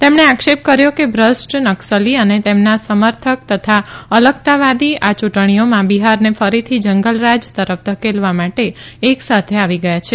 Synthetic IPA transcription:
t̪emɳ̃eakʃep̚kəɾjokebɾəsʈnəksəliənet̪emnasəməɾt̪ʰək̚t̪ət̪ʰaələkt̪aʋad̪iat͡ʃuʈɳ̃ijomãbiɦaɾnefəɾit̪ʰid͡ʒəŋɡəlɾad͡ʒt̪əɾəfd̪əkelʋamaʈeːksat̪ʰeaʋiɡəjat͡ʃʰe

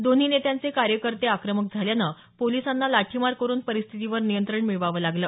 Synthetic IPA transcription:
d̪on̤iːnet̪jant͡sekaɾjəkəɾt̪eakɾəmək̚d͡zʱaljanə | polisanːalaʈʰimaɾkəɾuːnpəɾist̪ʰit̪iʋəɾnijənt̪ɾəɳmiɭʋaʋəːlaɡləː

